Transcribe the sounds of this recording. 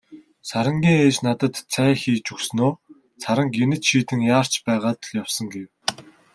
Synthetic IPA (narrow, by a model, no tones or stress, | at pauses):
saɾə̆ŋɡʲiːŋeːt͡ɕnat̪ə̆t̪t͡sʰæːxiːt͡ɕuksnoː | sʰaɾə̆ŋkenɘ̆t͡ɕʃiːt̪ʰɘ̆ŋjaːr̥t͡ɕpæːʁaːt̪̆ɮjawsə̆ŋɡew